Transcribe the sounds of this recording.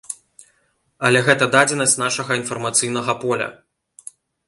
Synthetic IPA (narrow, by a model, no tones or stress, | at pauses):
ɐlʲɛɣɛt̪ɐd̪ad͡zʲɛnɐsʲt͡sʲnaʂɐɣɐinfɐrmɐt̪sɨjn̪ɐɣɐpɔlʲɐ̰